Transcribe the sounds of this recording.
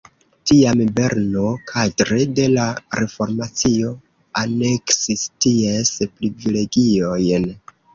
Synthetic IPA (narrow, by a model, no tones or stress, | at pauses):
tiambe̞ɾnokʰatɾede̞laɾefo̞ɾmat͡sio̞ | ane̞ksistiespɾivile̞ɡio̞jn